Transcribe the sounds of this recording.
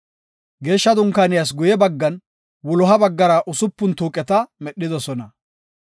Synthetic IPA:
ɡe̞ːʃːɐd̪ʊŋkɐnɪjɐs̬ɡʊjɛbɐɡːɐn | wʊlɔɦɐbɐɡːɐɾɐʔʊsʊpːʊnt̪uːkʼɛt̪ɐmɛɗːɪd̪ɔsɔnɐ

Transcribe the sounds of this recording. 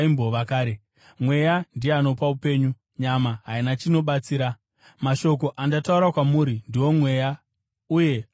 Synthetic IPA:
imboʋakaːɾe | mwe̞jandieano̞paupe̞ːɲu | ɲamaɦainat͡ʃino̞ɓat͡siːɾa | maʃo̞k̬o̞ʔandatauɾakwamuːɾindiwo̞mwe̞ːja | uje̞

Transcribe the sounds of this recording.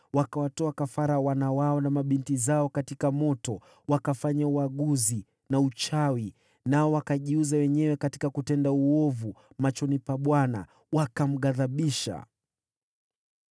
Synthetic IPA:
wakawatɔakafaɾawanawaɔnamaɓintizaɔkatikamɔtɔ | wakafaɲauaɠuzi | naut͡ʃawi | naɔwakaʄiuzawɛɲɛwɛkati̥kakutɛndauɔvu | mat͡ʃɔnipaɓwana̰ | wakam̩ɠaðaɓiʃa̰

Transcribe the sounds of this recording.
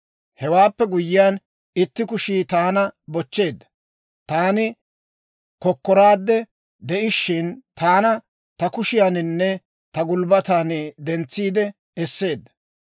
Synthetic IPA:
hɛwaːpːɛɡʊjːɪjaːn | ɪt̪ːɪkʊʃiːt̪aːnɐbɔt͡ʃːe̞ːd̪ːɐ̥ | t̪aːnɪ | kɔkːɔɾaːd̪ːɛ | d̪ɛʔɪʃːɪnt̪aːnɐ | t̪ɐkʊʃɪjaːnɪnːɛ | t̪ɐɡʊlbɐt̪aːnɪd̪ɛnt͡sːiːd̪ɛ | ɛsːe̞ːd̪ːɐ̥

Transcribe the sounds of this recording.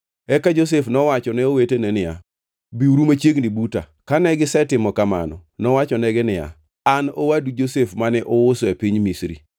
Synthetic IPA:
ɛkad͡ʒos̬efnɔwat͡ʃɔnɛowetenɛnɪja̰ | biuɾumat͡ʃjeɡnibuta̰ | kanɛɡɪsɛtɪmɔkama̰nɔnɔwat͡ʃɔnɛɡɪnɪa̰ | ano̰wadud͡ʒosefmanɛʔɔwʊsoepiɲmisɾḭ

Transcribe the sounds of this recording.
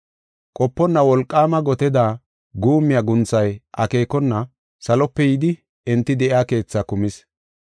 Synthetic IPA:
kʼɔpːɔnːɐwɔlkʼːaːmɐɡɔt̪ɛd̪a | ɡuːmːɪjaɡʊnt͡sːɐjʔɐke̞ːkɔnːɐ | sɐlɔpːɛjɪd̪ɪ | ɛnt̪ːɪd̪ɛʔɪaːke̞ːt͡sːakʊmɪs

